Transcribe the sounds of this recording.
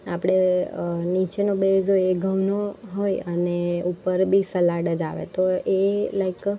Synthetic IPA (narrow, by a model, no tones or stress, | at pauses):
a̰pɽ̃enit͡ʃenobezɦojeɡʱəʋnoɦojəneupəɾbʱisəlaɽəd͡ʒa̰ʋḛt̪oelajk